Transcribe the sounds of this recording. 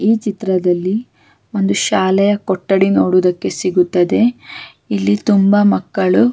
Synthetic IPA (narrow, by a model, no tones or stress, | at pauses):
iːt͡ʃit̪ɾɐd̪ɐlːi | o̞nd̪uʃaːlɛjɐkɔʈːɐɽino̞ːɽud̪ɐkːe̞siɡut̪ːɐd̪e̞ | ilːit̪umbɐmɐkːɐɭu